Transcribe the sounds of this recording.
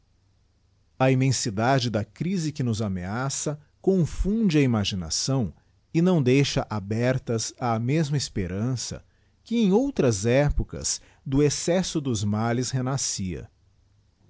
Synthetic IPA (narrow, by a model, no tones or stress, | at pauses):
ɐimẽsid̪ad͡ʒɪd̪ɐkɾizɪkɪnʊzameasɐ | kõfũd͡ʒɪɐimaʒina̰sɐ̃w̃ | ɪnɐ̃w̃d̪ejʃɐʔabɛɾt̪ɐzaːmezmɐɪspeɾʔɐ̃sɐ̰ | kɪẽj̃owt̪ɾɐzɛpokɐ̰s | d̪ʊesɛsʊd̪ʊzmalɪshenasiɐ̰